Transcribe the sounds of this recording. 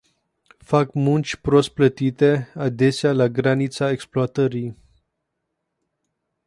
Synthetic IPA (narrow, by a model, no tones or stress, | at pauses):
fakmunt͡ʃʲpɾost̪̚plət̪it̪e̞ad̪esealaɡɾanit̪saeksploat̪əɾi